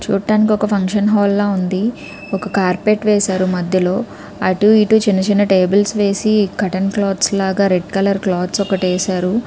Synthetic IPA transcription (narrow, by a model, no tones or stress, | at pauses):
t͡ʃuːʈːaːnik̬iɔkɐpʰɐŋkʂɐnɦɔːlːaːund̪i | ɔkɐkaːɾpeʈʋeːsaːɾumɐd̪ʱjɐlo̞ː | ɐʈuiʈut͡ʃinɐt͡ʃinɐʈeːbɐlsʋe̞ːsikɐʈɐnkloːd̪slaːɡaːɾeɖkɐlɐɾkloːd̪sɔkɐʈeːsaːɾu